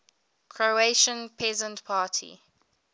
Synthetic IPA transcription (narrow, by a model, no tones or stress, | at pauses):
kʰɹoeʃə̃npʰɛzə̃ntpʰaːtʰḭ